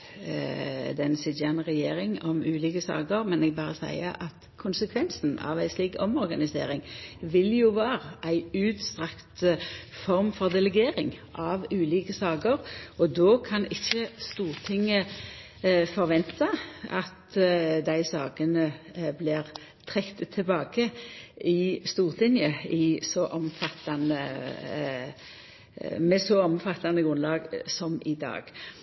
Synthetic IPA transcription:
d̪ɛnsɪd̪jæːnəʁɛjeːɾɪŋɔmʉːliːkəsɑ̰ːɡəɾmɛnɛɡ̚bɑːʁəsæ̰ɪə̰ʔɑt̪ | kʰʊnsəkʰʋɛnsn̩ɑ̰ʋæɪsliːkɔmɔɾɡɑnɪsḛːɾɪŋʋɪljʊʋɑːʁəʔæɪʉːd̪st̪ʁɑkt̪fɔɾmfɔʁd̪ɛlɛɡeːɾɪ̰ŋʔɑʋʉːliːkəsɑːɡəɾɔd̪oːkʰɑnɪçːəst̪uːʁt̪ʰɪŋːə | fɔɾʋɛnt̪ɑɑt̪d̪æɪsɑːɡənə | blɪːʁ | t̪ʰʁɛkt̪ət̪ʰɛbɑːɡəɪst̪uːʁt̪ʰɪnjəɪsɔʔɔmfɑt̪ːɑnə | mɛsɔɔmfɑt̪ːɑnəɡʁʉnlɑːɡsɔmɪd̪ɑ̰ːɡ̥

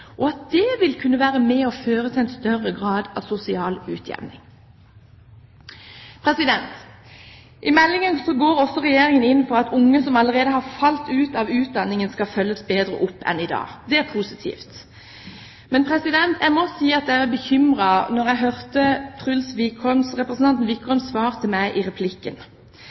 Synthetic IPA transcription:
ʔɔɑt̪̚d̪ɛʋɪlkʰʉnːəʋæːʁəmɛɔføːʁət̪ʰɪlɛnst̪œrːəɡʁɑːd̪ɑ̰sʊsɪɑːlʉːt̪ʰjɛ̰ʋnɪ̰ŋ | pʰɾɛsɪd̪ɛnt̪ | ʔɪmɛlːɪŋənsɔɡoːɾɔsːɔʁɛjeːɾɪŋənɪnːfɔʁɑt̪ʰʊŋːəsɔmɑləʁeːd̪əhɑʁfɑlt̪ʉːt̪ɑʋʉːt̪̚d̪ɑnːɪŋənskɑfœlːəsbeːd̪ɾə̰ʔʊpːɛ̰nɪd̪ɑ̰ːd̪ɛæʁpʰusɪt̪ʰḭːft̪ | mɛnpʰʁɛsɪd̪ɛnt̪ʰæmɔsiːɑt̪̚d̪ɛææbəçʏmʁɑnɔʁæɦœʁt̪ət̪ʰʁʉlsʋiːkʰɔmsʁɛpɾəsn̩ʰɑnt̪n̩ʋiːkʰɔmsʋɑːʁt̪ʰɪlmæɪʔɪʁɛpʰlɪkːən

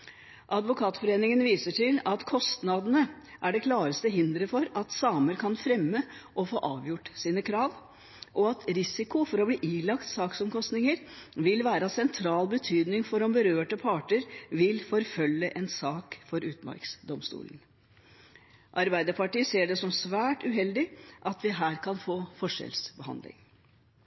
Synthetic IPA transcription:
ʔɑd̪ʋʊkʰɑːt̪fɔɾeːnɪŋənʋiːsəʈɪlɑt̪kʰɔst̪nɑd̪ənəʔæɖɛkʰlɑːɾəst̪əɦɪnd̪ɾəfɔɾɑt̪sɑːməɾkʰɑnfɾɛmːəʔɔfo̰ːʔɑːʋjʊʈːsiːnəkʰɾɑːʋ | ʔɔɑt̪ɾɪsɪkʊfɔɾɔbliːʔiːlɑkt̪sɑːksɔmkɔst̪nɪŋəɾʋɪlʋæːɾɑsɛnt̪ʰɾɑːlbət̪ʰyːd̪nɪŋfɔɾɔmbəɾøːʈəpʰɑːʈəɾʋɪlfɔɾfœlːəʔɛnsɑːkfɔɾʉːt̪mɑ̰ɾksd̪ɔmst̪ṵːlən | ʔɑɾbæɪd̪əɾpʰɑʈiːseːɖɛsɔmsʋæːʈʉɦɛld̪ɪʔɑt̪ʋɪɦæːɾkʰɑnfoːfɔʂɛ̰lsbəhɑ̰nd̪lɪ̰ŋ

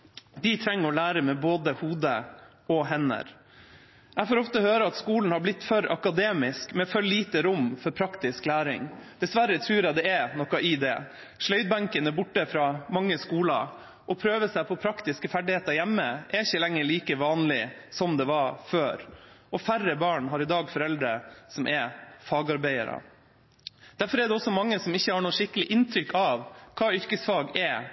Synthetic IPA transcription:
d̪ɪt̪ʰɾɛŋːəɾɔlæːɾəmɛboːd̪əhuːd̪ə̰ | ɔɦɛnə̰ɾ | ɛfoːɾɔft̪əhøːɾəɑt̪skuːln̩hɑɾblɪt̪ːfœɾɑ̰kɑd̪eːmɪskmɛfœɭiːt̪əɾʊmfɔɾpʰɾɑkt̪ɪsklæːɾɪ̰ŋd̪̥ɛsʋæɾət̪ʰɾʉːɾɑd̪ɛɛnɔkɑʔɪd̪ɛ̰ | ʂlœʏd̪̚bɑŋkənəbʊʈːəfɾɑːmɑŋːəskuːlɑ̰ | ʔɔpʰɾøːʋəsæɪpʰɔpʰɾɑkt̪ɪskəfæɖɪheːt̪ɑɾjæmːəʔɛɾɪçːəlɛŋːəɭiːkəʋɑːnlɪsɔmd̪ɛʋɑføːɾʔɔfærːəbɑːɳɦɑɾɪd̪ɑːɡfɔɾɛld̪ɾəsɔmʔɛfɑːɡɑɾbæɪə̰ɾə̰ | d̪̥æɾfɔɾɛɖ̪ɛɔsːɔmɑŋːəsɔmɪçːəhɑɳoːʂɪkːəlɪʔɪnt̪ʰɾʏkʰːɑʋkʰɑːʏɾkəsfɑːɡɛ

